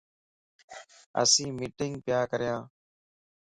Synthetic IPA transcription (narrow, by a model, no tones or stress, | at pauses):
ə̰sĩːmiːʈɪŋɡ̚pjaːkəɾjãː